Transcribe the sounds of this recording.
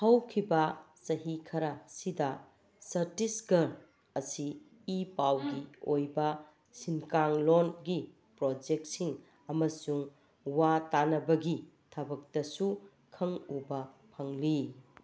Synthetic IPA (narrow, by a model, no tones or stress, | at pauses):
hɐwkʰibɐ | sɐɦikʰɐɾɐsidɐ | sɐɾtisɡɐɾ | ɐsiː | pawɡiojbɐ | sinkaŋlonɡi | pɾod͡ʒek̚tsiŋ | ɐmɐsuŋ | watanɐbɐɡi | tʰɐbɐk̚tɐsu | kʰɐŋubɐpʰɐŋli